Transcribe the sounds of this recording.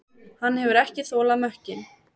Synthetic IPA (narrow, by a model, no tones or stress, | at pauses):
hanːhɛvʏɾɛhcɪθɔːlaðmœhcɪn